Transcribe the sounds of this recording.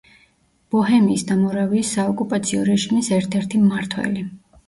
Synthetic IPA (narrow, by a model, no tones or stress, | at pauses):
b̥ɔɦɛmiːsd̪amɔɾaviːsːaɔkʼupʼat̪sʰiɔɾɛʒimisɛɾt̪ʰɛɾt̪ʰimːaɾt̪ʰwɛ̰li